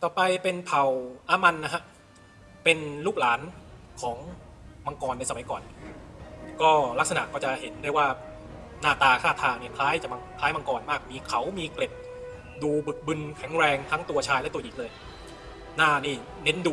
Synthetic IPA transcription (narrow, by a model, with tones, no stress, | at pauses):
t̪ɔː˨˩pa˧jpe˧npʰa˨˩wʔaː˧ma˧nːa˦˥kʰa˦˥ʔ | pe˧nluː˥˩k̚laː˩˦nkʰɔː˩˦ŋ | ma˧ŋkɔː˧nːa˧jsa˧ma˨˦jkɔː˨˩n | kɔː˥˩la˦˥k̚sa˧na˨ʔkɔː˥˩t͡ɕa˨˩he˩˦nda˥˩jwaː˥˩ | naː˥˩t̪aː˧kʰaː˥˩t̪ʰaː˧niː˥˩pʰlaː˦˥jt͡ɕa˨˩ma˧pʰlaː˦˥jma˧ŋkɔː˧nmaː˥˩k̚miː˧kʰa˩˦wmiː˧kle˨˩p̪̚ | duː˧bɯ˨˩k̚bɯ˧nkʰɛ˩˦ŋɾɛː˧ŋt̪ʰa˦˥ŋt̪u˧ɐt͡ɕʰaː˧jlɛ˦˥˩t̪u˧jiː˨˩lɤː˧j | naː˥˩niː˥˩ | ne˦˥nduː˧